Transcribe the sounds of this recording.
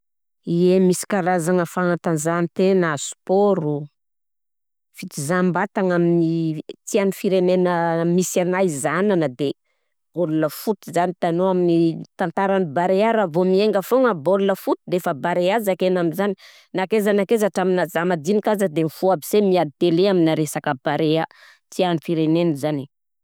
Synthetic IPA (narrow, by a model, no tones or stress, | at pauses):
iemisi̥kaɾazaŋəfaant̪anzanit̪enasu̥poɾu | fit̪izambat̪aŋaminit̪ianifiɾenenəmisanajizananəd̪e | b̥oluləfut̪izanit̪anoaminit̪ant̪aɾanibaɾeaɾavomieŋɡəfoŋəboluləfut̪id̪efəbaɾeazakenaminzani | nakezanakezaʈ͡ʂaminazamad̪inikazəd̪emifuabisemiad̪it̪eleaminaɾesakəbaɾea | t̪ianifiɾenenəzani